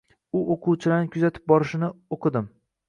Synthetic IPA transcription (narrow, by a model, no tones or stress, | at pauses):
ʊʔoqʰuwt͡ʃʰɪlaɾnɪkʰʲʊzat̪ʰɪ̥p̚bɒɾɪʃɪnɪoqʰɨd̪ɪm